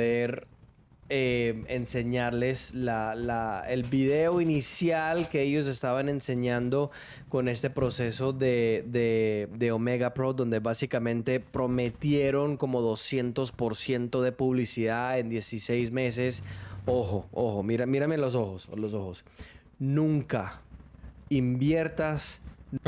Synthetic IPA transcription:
oðeɾ | ee̞nse̞ɲaɾle̞slalaelbiðe̞o̞inisjalkeeʝo̞s̬e̞st̪aβane̞nse̞ɲãnd̪o̞ | ko̞ne̞st̪e̞pɾo̞se̞so̞ðeðed̪e̞ome̞ɣapɾod̪o̞nd̪e̞βasikamẽ̞nt̪e̞pɾo̞me̞t̪je̞ɾo̞ŋko̞mo̞ðo̞sje̞nt̪o̞spo̞ɾsje̞nt̪o̞ðe̞puβlisiðaend̪je̞sise̞jzme̞s̬e̞soxo̞oxo̞miɾamiɾame̞lo̞s̬o̞xoslo̞s̬o̞xos | nũŋka | imbje̞ɾt̪as

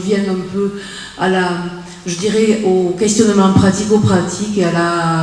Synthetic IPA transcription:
vjɛ̃nɛ̃pø | ala | ʒəd̪iʁɛokɛst̪jɔnmɑ̃pχat̪ikopχat̪ʰikeala

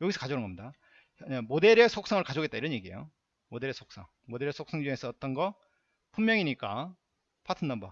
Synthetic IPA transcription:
joɡisʰʌ̥kad͡ʑʌnŋɡʌmɲida | amode̞ɾesʰok̚s͈aŋɯɭkad͡ʑoɡet̚t͈aiɾʌnje̞ɡiḛjo̰ | mode̞ɾesʰok̚s͈aŋ | mode̞ɾesʰok̚s͈aŋd͡ʑuŋe̞sʰʌʌt͈ʌnɡʌ | pʰumːjʌŋiɲik͈a | pʰatʰɯndamba

